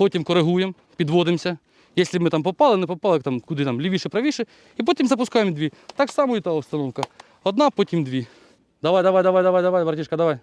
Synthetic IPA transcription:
pɔtʲimkɔɾɪɦujem | pʲid̪ʋɔd̪ɪmsʲɐ | jɛsʲlʲɪmɪt̪ɑmpɔpɑlˠɪnɛpɔpɑlˠɪt̪ɑmkʊd̪ɪt̪ɑmlʲiʋʲiʃɪpɾɐʋʲiʃɪ | ipɔtʲimzɐpʊskɑjemd̪ʲʋʲit̪ɑksɑmɔjit̪aɔwst̪ɐnɔwkɐ | ɔd̪nɑpɔtʲimd̪ʲʋʲi | d̪ɐʋajd̪ɐʋajd̪ɐʋajd̪ɐʋajd̪ɐʋajbɐɾɐtʲiʃkɐd̪ɐʋaj

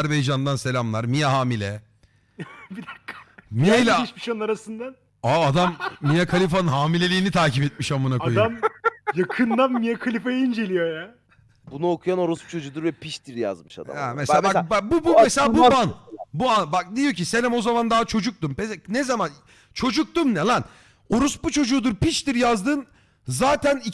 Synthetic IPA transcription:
ɾbejd͡ʒand̪anse̞lʲamlˠaɾmijaɦaːmilʲɛ | bid̪akːamialʲaiʃmiʃannaɾasɯnd̪an | aːd̪amːijakʰalʲif̬anɯnɦaːmilʲe̞lʲiːnit̪ʰaːcipɛt̪̚miʃambanakaojd̪amjakʰɯnd̪anmijakʰalʲifajind͡ʒe̞lʲijoja | bunuokʰujano̞ɾuspu̥t͡ʃʰod͡ʒuːd̪uɾvɛpʰiʃt̪iɾja̰zmɯʃa̰d̪a̰amesababak̚bubumeselʲabuanbuanbak̚d̪ijo̞cisenɛmo̞zamand̪aːat͡ʃʰo̞d͡ʒuk̚t̪umpesnɛzaman | t͡ʃʰo̞d͡ʒuk̚t̪umnɛlˠan | o̞ɾusbut͡ʃʰo̞d͡ʒuːd̪uɾpit͡ʃt̪iɾjazd̪ɯːn | zaːt̪ʰæni

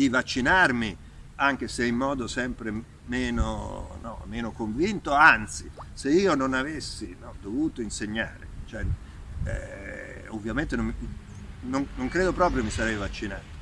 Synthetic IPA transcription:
d̪ivat͡ʃːinarmi | aŋk̟eseimːɔːd̪osɛmpɾe | mɛːno̰nɔ̰mɛːnokoɱvint̪oant̪siseiːononavesːinɔd̪ovuːt̪oinseɲːaːɾḛt͡ʃoɛ | ovːjament̪enom | noŋnoŋkɾeːd̪opɾɔːp̬ɾjomisaɾɛjvat͡ʃːinaːt̪o̥

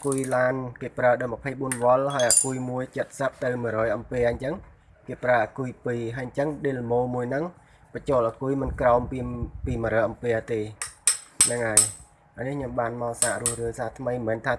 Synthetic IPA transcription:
ʔakujlaːnkeːpraəɗaːjməpʰəjɓuənʋŏəlɦaəjʔakuəjmuəjt͡ɕət̪̚səp̚t̪ɨwmɨəɾrɔːjʔɑmpeːʔɲt͡ɕəŋ | keːpraːʔaːkujpiːɦaəɲt͡ɕəŋɗeːlmoːmuəjnɨŋ | pət͡ɕoːlʔaːkujmɨnkraɔmpipiːməɾəʔɑmpeːət̪eː | nəŋʔaj | ʔanikʰɲomɓaːnmaɔlsaːʔruəhrɨːsaːt̪ʰməjmɛːnt̪ʰaː

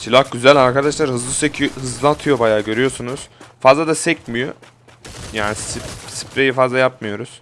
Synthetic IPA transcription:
silʲahɟyzælʲaɾkad̪aʃlˠaɾɦɯzlˠɯsecʰihɯzlˠɯaat̪ʰɯjo̞bajaːɟø̞ɾyjo̞sunuz̥fazlˠad̪asɛc̚mijo | jaːnisipsi̥pɾe̞jifazlˠajap̚mɯjo̞ɾuz̥

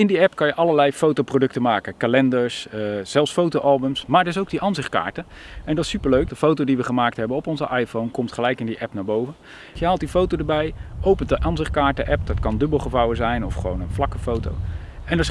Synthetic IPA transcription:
ɪndiɛpkɑnjəʔɑləlɛjfowtowprodɵktəmaːkəkalɛndəɹsz̥ɛlˠsfowtowʔɑlˠbəmsmaːɹdəɹɪs̬owɡ̚diʔanzɪχtka̰ːɹtəɛndɑtɪ̥sypəɹløɥk̚dəfowtowdiʋəχəmaːk̚tɦɛbənɔpɔnzəʔajfownkɔmtχəlɛjkɪndiʔɛpnaːɹbowvən | jəɦaːlˠt̚difowtodəɹbɛjʔowpəntdəʔɑːnzɪχt̚kaːɹtəʔɛp̚d̥ɑtkɑndɵbəlˠχəvɑwəzɛjnɔfχəʋo̰wnənflɑkəfowto̰w | ɛndə

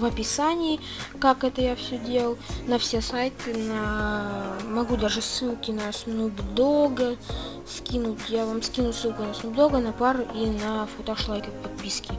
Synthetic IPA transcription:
vɐpʲɪsanʲɪː | kakɛt̪əjafsʲɵdʲelˠəlˠnɐfsʲesajt̪ɨnə | mɐɡud̪aʐɨsɨlˠkʲɪnəsnʊbd̪oɡə | skʲinʊt̪ʲjavamskʲinʊt̪ʲsɨlˠkʊnɐsnʊbd̪oɡənɐpaɾʔinəfot̪oʂlˠajkʲəpɐt̪̚pʲiskʲɪ

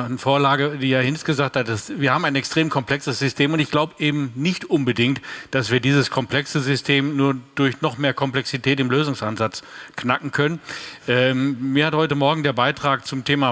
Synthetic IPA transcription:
nəfoːɐlaːɡədiːjaːhɪnstɡ̥əzaːkthat̚d̥asviːɐhaːm̩aɪnɛkstʁ̥eːmkʰɔmpl̥ɛksəsz̥ʏstʰeːmʊntɪçɡ̥laʊbəʔeːbm̩nɪçtʔʊnbədɪŋktd̥asv̥iːɐdiːzəskʰɔmpl̥ɛksəzʏstʰeːmnuːɐd̥ʊɐçnɔχmeːɐkʰɔmplɛksitʰɛːtɪmløːzʊŋsʔanzat͡sknakŋ̩kʰœnənʔɛːmiːɐhathɔʏtəmɔɐɡŋ̩deːɐbaɪtʁ̥aːk̚t͡sʊmtʰeːma

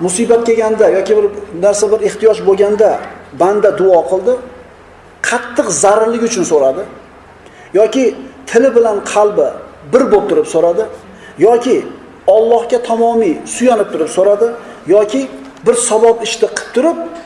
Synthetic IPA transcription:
mʊsibat̪̚kʲeɡʲand̪ajɒkʲɪbɪɾnaɾsabɪɾeht̪ijɒʃboɡʲand̪aband̪ad̪ʊɒqʰɨlˠd̪ɪ | qʰɑt̪ʰːɨqzaɾɾlɪɡʲʊt͡ʃʰʊnsoɾad̪ɪ | jɒkʲɪt̪ʰɪlɪbɪlanqʰɑlˠbɪbɪɾbop̚t̪ʰʊɾɪpsoɾad̪ɪ | jɒkʲɪ | ɒlˠːɒhkʲat̪ʰɒmɒmijsʊjanɪp̚t̪ʰʊɾɪpsoɾad̪ɪjɒkʲɪ | bɪɾsabɒpɪʃt̪ɪqʰɨ̥p̚t̪ʰʊɾɪp̚

